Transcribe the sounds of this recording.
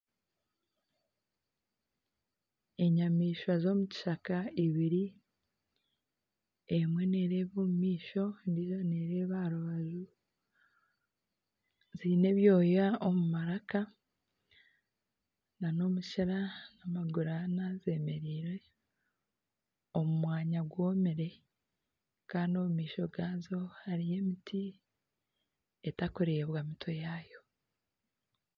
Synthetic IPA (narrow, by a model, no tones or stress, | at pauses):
eɲamiːʃwazo̞ːmuci̥ʃakaiβiɾi | emwe̞neɾe̞ːβomumiːʃo̞ndizoneɾe̞βaɾuβazu | ziːne̞βjo̞ːjaomumaɾaka | nano̞muʃaɾanamaɡuɾanaze̞me̞ɾiːɾe̞ | omumwaːɲaɡwo̞ːmeɾe̞ | kaːndio̞mumiːʃo̞ɡaːzo̞haɾije̞mitʰi | etakoɾiɾeβwaːmitʰwojaːjo̞